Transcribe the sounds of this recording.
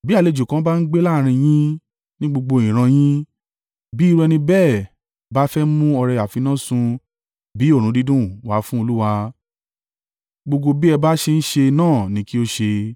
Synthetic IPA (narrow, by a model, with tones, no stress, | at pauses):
bi˦a˦˨le˧d͡ʒu˨kã˨˦ba˦n̩˦ɡ͡be˦la˦˨ɾ̃ĩ˧j̃ĩ˦ | nĩ˦ɡ͡bo˧ɡ͡bo˧ĩ˨ɾ̃ã˧j̃ĩ˦ | bi˦˧ɾu˧ɛ˧nĩ˧bɛː˦˨ | ba˦fɛ˦mũ˦ɔ˧ɾɛ˧a˨fi˧nã˦˨sũ˧ | bi˨˦o˦˨ɾũ˨˦di˦dũ˦wa˨˦fũ˦o˧lu˦wa˧ | ɡ͡bo˧ɡo˧bi˦ɛ˧ba˦ʃe˧n̩˦ʃe˧nãː˦˨nĩ˨˦ki˦o˦ʃe˧